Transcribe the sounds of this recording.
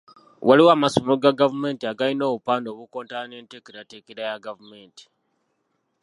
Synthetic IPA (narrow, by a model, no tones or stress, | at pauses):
waliwaːmasomoɡaɡavume̞ːntiaɡalino̞ːβupaːndo̞ːβuko̞ːntaaneːnteːkeɾatekeɾajaɡavume̞ːnti̥